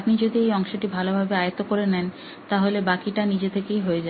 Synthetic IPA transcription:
apnid͡ʑod̪iejɔŋʃoʈibʱalobʱabeajot̪okoɾenɛn | t̪aɦolebakiʈanid͡ʑet̪ʰekejɦoed͡ʑa

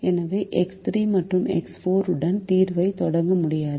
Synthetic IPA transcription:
ɛnɐʋeːʔɛkst̪ɾiːmɐʈrɯmɛ̰ksfoːɾɯɽɐnt̪iːɾʋɐɪt̪ɔɽɐŋɡɐmʊɽɪjaːðɯ

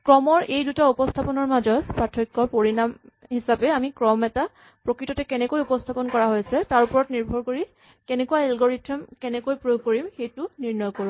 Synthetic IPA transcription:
kɹɔmɔɹejdutaupɔstʰapɔnɔɹmazɔtpatʰikːɔɹpoɹinam | hisapɛamikɹɔmɛta | pɹokɹitɔtɛkɛnɛkojupɔstʰapɔnkɔɹaɦojsɛtaɹupɔɹɔtniɹbʱɔɹkoɹi | kɛnɛkuwaelɡɔɹitʰɔmkɛnɛkojpɹubʱkoɹimxejtʊniɹnɔjkoɹũm

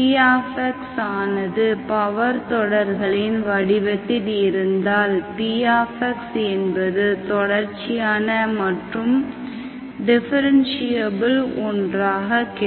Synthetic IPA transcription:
piaːfɐksaːnɐðɯpɐʋɐɾt̪ɔɽɐɾɣɐɭɪnʋɐɽɪʋɐt̪ːɪðɪɾɯnd̪aːlpijaːfɐksɛnbɐðɯt̪ɔɽɐɾt͡ʃɪjaːnɐmɐʈrɯm | ɖɪfɐɾɐnsɪjɐbɪlɔndraːɣɐkɪ

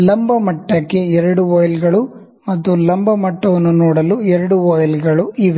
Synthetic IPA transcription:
lɐmbɐmɐʈːɐkːe̞ɛɾɐɽuɔːjɐlɡɐɭu | mɐt̪ːulɐmbɐmɐʈːɐʋɐnːunɔːɽɐluɛɾɐɽuɔːjɐlɡɐɭuiʋ

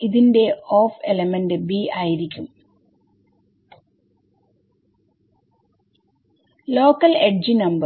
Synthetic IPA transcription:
iðinde̞oːfelɐmenɖɨbiaːjiɾikʲːum | lo̞ːkːɐleɖ̚d͡ʑinɐmbɐ

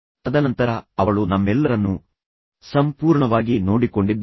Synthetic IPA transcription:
ɐd̪ɐnɐnt̪ɐɾɐɐʋɐɭunɐmːɛlːɐɾɐnːu | sɐmpuːɾɳɐʋaːɡino̞ːɽiko̞ɳɖid̪ː

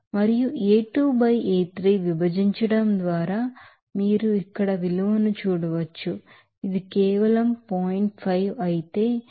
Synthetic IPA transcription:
mɐɾijuʔeːʈuːbɐjeːt̪ɾijʋibɐd͡ʒiɲt͡ʃɐɽɐmd̪ʋaːɾaː | miːɾuikːɐɽɐʋiluʋɐnut͡ʃuːɽɐʋɐt͡ʃːu | id̪ikɛːʋɐlɐmpoːjiɳʈ̚pʰɐjʋɐjit̪e̞ː

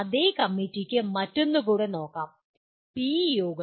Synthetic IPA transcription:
ɐðeːkɐmːitːikʲːɨmɐtːonːukuːɽeno̞ːkːaːm | piːjoːɡ

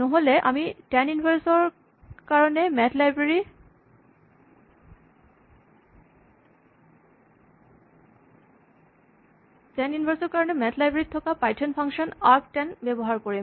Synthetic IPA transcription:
noɦoleʔa̰miʈɛnunbʱaɾsoɾ | kaɹonemɛt̪labei | ʈɛnunibʱaɾsoɾkaɾonemɛt̪ʰlajbɾeɾit̪ʰɔkapajʈʰonpʰaŋʃonap̚ʈɛnbɛboɦaɾkoɾi

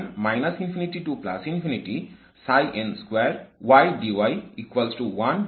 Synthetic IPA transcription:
ɾmajnɐsinfʰiniʈiʈupla̰sinfʰiniʈi | sajʔenskweɾwajɖiwajikwɐlsʈuwan

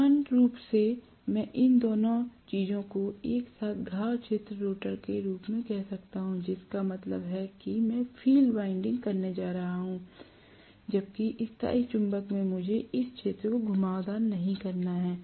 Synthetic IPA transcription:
aːnɾuːpse | mɛ̃ːʔɪnd̪oːnõt͡ʃiːzõkoeːksaːt̪ʰɡʱaːwt͡ʃʰeːt̪ɾəɾoːʈəɾkeɾuːpmẽkɛɦsɐkt̪aɦũd͡ʒɪskamɐt̪lə̰bɦɛkimɛ̃ːfʰiːlɖʋaːɪ̃ɳɖɪ̃ŋɡkɐɾned͡ʒaːɾɐɦaɦũ | d͡ʒɐb̚kiʔɪst̪a̰ːit͡ʃʊ̃mbəkmẽmʊd͡ʒʱeɪst͡ʃʰeːt̪ɾəkoɡʱʊmaːʋd̪aːɾnɐɦĩkɐɾnaɦɛː

